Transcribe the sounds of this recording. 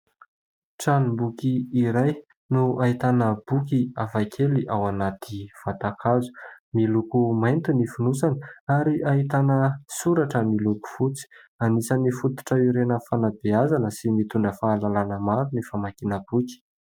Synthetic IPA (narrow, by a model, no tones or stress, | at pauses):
ʈ͡ʂanumbukiːɾaj | nuaɦit̪anəb̥ukiavakʰeliʔawanat̪ʰiv̥at̪akʰazu̥milukumajnt̪unifunusani̥aɾiaɦit̪anəsuɾaʈ͡ʂəmiluku̥fut͡si̥ | anisənifut̪u̥ʈ͡ʂəiɾenəfanabeazanəsimit̪uɳɖ͡ʐəfaːlalanəmaɾunifamakinəbuki̥